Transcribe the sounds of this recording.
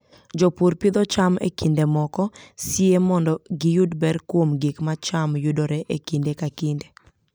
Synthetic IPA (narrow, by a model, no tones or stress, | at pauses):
d͡ʒɔpuɾpɪd̪ɔt͡ʃamḛkindemɔkɔsiemɔndɔɡijudbɛɾkwomɡikmat͡ʃamjudoɾɛʔekindekakinde